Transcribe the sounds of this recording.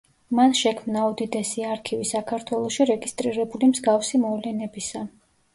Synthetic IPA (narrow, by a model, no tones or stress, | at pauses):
manʃɛkʰmnaɔd̪id̪ɛsiaɾkʰivisakʰaɾt̪ʰwɛlˠɔʃiɾɛɡist̪ʼɾiɾɛbulimzɡafsimɔvlɛnɛbisa